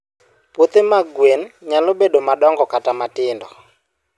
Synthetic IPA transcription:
pot̪emaɡwenɲalobeɗomaɗɔŋɡɔkatamatɪndɔ

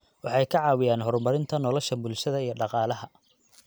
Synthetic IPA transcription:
wɑħɑjkʰɐʕɑːwɪjaːnɦɔrmɐɾɪnt̪ʰɐnɔlɔʃɐbʊlʃɐðɐijɞɖɑqɑːlɐɦɐ

